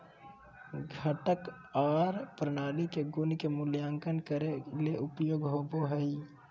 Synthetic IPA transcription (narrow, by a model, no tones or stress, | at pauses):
ɡʱəʈək | aːɾpɾənaːlikeɡʊnkemʊljaːŋkənkəɾeleʔʊpjoːɡɦoːboɦəi